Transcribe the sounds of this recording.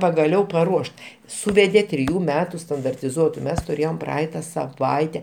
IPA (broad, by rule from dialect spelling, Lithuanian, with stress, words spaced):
pɐɡɐˈlʲɛʊ pɐˈruɔʃt ˈsuːʋʲɛdʲeː tʲrʲɪˈjuː ˈmʲæːtʊ stɐndɐrʲtʲɪˈzuɔtʊ ˈmʲɛs tʊrʲˈeːjoːm ˈprɐɐɪtɐ sɐˈʋɐɪtʲɛ